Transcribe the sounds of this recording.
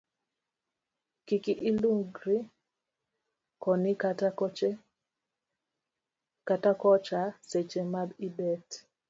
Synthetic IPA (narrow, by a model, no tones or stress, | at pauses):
kikiʔiluŋɡɾi | kɔnikat͡ʃ | katakɔt͡ʃaset͡ʃemabibɛt